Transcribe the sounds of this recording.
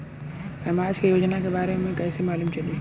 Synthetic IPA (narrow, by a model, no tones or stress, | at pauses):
sɐmaːd͡ʒkejoːd͡ʒnakebaːɾememẽkɛːsemaːluːmt͡ʃɐd̪i